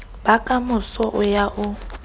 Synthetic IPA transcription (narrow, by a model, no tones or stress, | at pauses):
bakʼamʊsɔʔʊjaʔʊ